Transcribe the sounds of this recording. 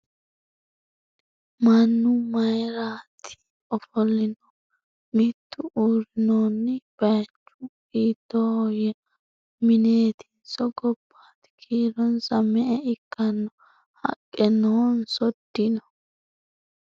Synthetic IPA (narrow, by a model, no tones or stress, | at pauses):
mɐnːʊmɐjɾaːt̪ʰːɪ̥ | ɔfɔlːɪnɔ | mɪt̪ʰːʊʔuːɾɪnoːnːɪb̥ɐjɐt͡ʃːʊɡiːd̪ːɔjɛ | mɪneːt̪ɪ̥nsɔɡɔbːaːt̪kʰiːɾɔnsɐmɛʔɛɪkːɐnːɔ | hɐ̰kʼːɛnːɔnsɔd̪ːɪnɔ